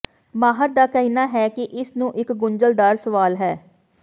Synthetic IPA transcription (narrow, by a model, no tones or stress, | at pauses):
maːɦəɾd̪aːkəɦiːnaːɦɛːkɪʔɪsnũːʔɪkɡʊɲd͡ʒəld̪aːɾsəʋaːlɦɛː